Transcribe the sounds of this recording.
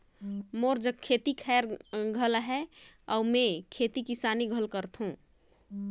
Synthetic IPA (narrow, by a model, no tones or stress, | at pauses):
moɾd͡ʒəkʰːet̪ikʰɛɾɡʱəlɦɛɔumẽkʰet̪ikisaniɡʱəlkəɾt̪ʰɦũ